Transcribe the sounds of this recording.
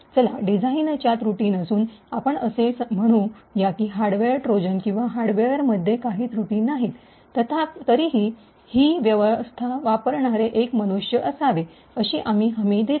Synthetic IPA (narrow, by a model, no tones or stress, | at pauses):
t͡səla̰ɖid͡zʱaint͡ɕjat̪ɾuʈiːnəsuːnapəɳəsesm̤əɽ̃ũːjakiːɦaɾɽɖʋeɾʈɾod͡ʑənkĩw̃ʋaɦaɾɽʋeɾməd̪ʱːjekaɦiːt̪ɾuʈiːnːaɦit̪ | t̪ət̪ʰat̪əɾiːɦiː | hiːʋjəʋəst̪ʰaʋapəɾɳaɾeʔekməñuʂjəʔəsaʋe | əɕiːʔamiːɦəmid̪e